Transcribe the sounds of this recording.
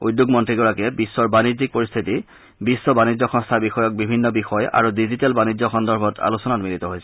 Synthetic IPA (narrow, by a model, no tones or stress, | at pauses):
ujdjuɡmɔntɹiɡɔɹakɛbisːɔɹbanizik̚poɹist̪ʰiti | bisːɔbanid͡ʑɔxɔ̃ŋstʰabixɔjɔk̚bibʱinːɔbixɔja̰ɹudizitɛlbanizɔxɔndɔɹbʱɔtʰa̰lusɔnatmilit̪ɔɦojsɛ̥